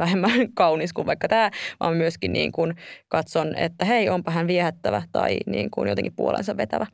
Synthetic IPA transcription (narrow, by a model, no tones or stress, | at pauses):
ʋæhemːænkɑuniskuʋʋɑikːɑt̪æːʋɑ̰ːmmyøskinnḭːŋkunkɑt̪sonḛt̪ːæeiʔompɑɦænʋiɛhæt̪ːæʋæ̰t̪ɑ̰inḭːŋkunjot̪ḛŋkipuo̰lḛnsɑʋʋet̪æ̰ʋæ